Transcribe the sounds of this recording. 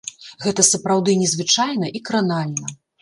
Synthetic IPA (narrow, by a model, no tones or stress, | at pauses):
ɣɛt̪ɐsɐpɾawd̪ɨnʲɛzvɨt͡ʂajnɐʔikɾanalʲnɐ